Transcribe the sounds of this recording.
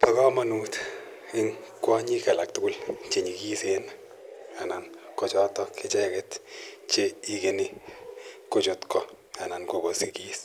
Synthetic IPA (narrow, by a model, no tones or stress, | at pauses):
pakɔmanut | ɪŋkwɔɲikalak̚tʊɡʊlt͡ʃeɲikisena | anankɔt͡ʃɔtɔkːɪt͡ʃɛkɛtt͡ʃeikeni | kot͡ʃotkɔ | anankokosikis